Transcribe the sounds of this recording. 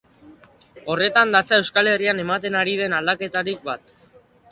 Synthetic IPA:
o̞re̞t̪and̪at͡sae̞wskale̞riane̞mat̪e̞naɾið̞e̞nald̪ake̞t̪aɾik̚bat̪

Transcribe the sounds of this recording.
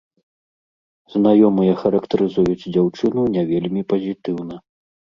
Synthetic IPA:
znajɔmɨjɐxɐɾɐkt̪ɐɾɨzujut͡sʲd͡zʲawt͡ʂɨnunʲɛvʲelʲmʲipɐzʲit̪ɨwnɐ

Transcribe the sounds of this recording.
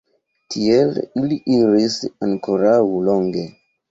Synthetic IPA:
tʰieliliʔiɾisaŋkoɾauloŋɡe̞

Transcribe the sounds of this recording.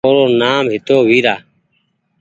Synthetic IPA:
oːɾoːnaːmɦɪt̪oːwiːɾaː

